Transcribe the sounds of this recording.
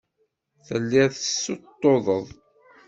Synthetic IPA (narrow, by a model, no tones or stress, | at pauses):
θəlːɪʁðəsːot̪ːoðˤəðˤ